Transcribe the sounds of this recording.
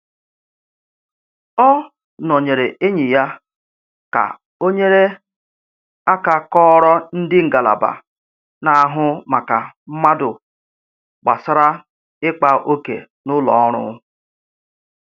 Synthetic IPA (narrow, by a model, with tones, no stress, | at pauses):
ɔ˦ | nɔ˨ɲe˨ɾe˨e˦ɲi˨ja˦ | ka̰˨ | o˦ɲe˦ɾe˦ | a˦ka˨kɔː˦ɾɔ˦n̩˦dɪ˦ŋ̩˨ɡa˨la̰˨ba̰˨ | na˨a˦ɦʊ˦ma˨ka˨m̩˦ma˦dʊ˨ | ɡ͡ba̰˨sɪ˦ɾa˦ | ɪ˦k͡pa˨ʔo˦kḛ˨ | nʊ˦lɔ̰˨ɔ˦ɾ̃ʊ̰˦